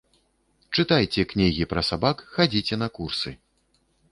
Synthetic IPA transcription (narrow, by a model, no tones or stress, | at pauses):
t͡ʂɨt̪ajt͡sʲɛknʲiɣʲipɾɐsabakxad͡zʲit͡sʲɛnɐkursɨ